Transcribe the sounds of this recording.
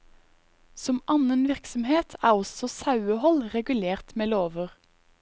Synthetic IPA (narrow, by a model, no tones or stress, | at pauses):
sɔmʔɑnənʋɪʁksɔm̩heːt̪ʰæːʁɔsɔsɑʉəhɔlʁɛɡʉleːʁt̪meːloːʋəʁ